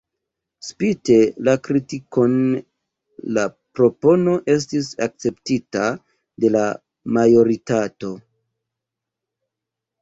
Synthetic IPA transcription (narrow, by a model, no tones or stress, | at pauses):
spite̞lakɾitiko̞n | lapɾo̞po̞no̞ʔe̞s̬tisak̚t͡se̞ptita | de̞la | majo̞ɾitato̞